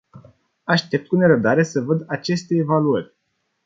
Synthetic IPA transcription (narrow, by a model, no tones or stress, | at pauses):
aʃt̪e̞p̚t̪̚kune̞ɾəb̚d̪aɾe̞səvəd̪at͡ʃe̞st̪e̞ːvaluərʲ